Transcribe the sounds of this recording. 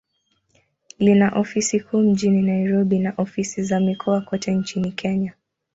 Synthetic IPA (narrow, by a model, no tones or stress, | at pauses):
linaʔɔfisikʰuːm̩ʄininaiɾɔɓinaʔɔfisizamikʰɔakɔtʰɛnt͡ʃinikʰɛɲa